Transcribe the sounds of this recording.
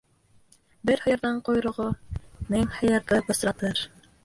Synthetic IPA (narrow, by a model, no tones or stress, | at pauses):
bɘɾhɤ̆jɑ̆ɾðɑɴqŏjɾŏʁomɘŋhɑ̆jɑ̆ɾðɤbŏsɾɑt̪ɤɾ